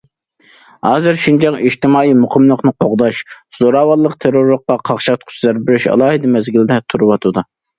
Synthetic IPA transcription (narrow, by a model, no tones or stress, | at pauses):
hɑːzɨɾʃund͡ʒɑŋiʃt̪ɪmɑːimuqʰəmlˠəqnɨqʰoʁd̪ɑʃ | z̥oɾɑːwɑlˠːəqt̪ʰeɾoɾlˠəqːɑqʰɑχʃɑt̪̚qʰʊ̥t͡ʃʰlɑɾbɪɾyʃɑ̰lˠɑːhɨd̪ɨmɛzɡʲilɪd̪ɛt̪ʰuɾɨwɑt̪ʰɨd̪u